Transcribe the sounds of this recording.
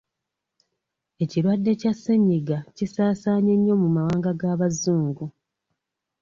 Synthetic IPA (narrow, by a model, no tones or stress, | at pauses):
e̞ciɾwadːe̞casːeɲiɡacisaːsaːɲeɲːo̞mumawaːŋɡaɡaːβazuːŋɡu